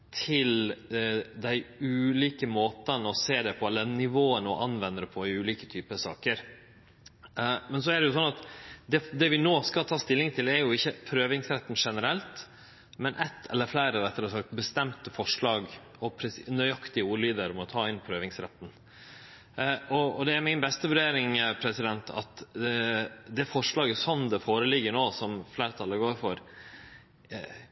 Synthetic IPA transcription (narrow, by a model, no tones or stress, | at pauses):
t̪ʰɪl | d̪æɪʉːliːkəmoːt̪ənɔseːd̪ɛpʰɔɛlənɪʋoːənəɔʔɑnʋɛnd̪əɾəpʰɔɪʉːliːkə̥t̪ʰyːpəsɑ̰ːkəɾ | mɛnsɔæɖɛjʊsɔnɑt̪d̪ɛd̪ɛʋɪnoːskɑlt̪ʰɑːst̪ɪlːɪŋt̪ʰɪlɛɾjʊɪçːəpʰɾøːʋɪŋsɾɛt̪ːn̩ʂɛnəɾɛlt̪ | mɛnʔɛt̪ʰːɛ̰lːəɾflæɪɾəɾɛt̪ːəɾəsɑbəst̪ɛmt̪əfɔʂɭɑːɡ | ɔpʰɾɛsnœʏɑkt̪ɪəuːɭiːd̪əɾɔmɔt̪ʰɑːɪnpʰɾøːʋɪŋsɾɛt̪ːn | ɔɔd̪ɛæɾmɪnbɛst̪əʋʉɾɖeːɾɪŋpʰɾɛsɪd̪ɛnt̪ʰɑ̰t̪ | d̪ɛfɔʂlɑːɡəsɔnd̪ɛfoːɾəlɪɡːəɳoːsɔmflæːɾət̪ʰɑlːəɡoːɾfɔɾ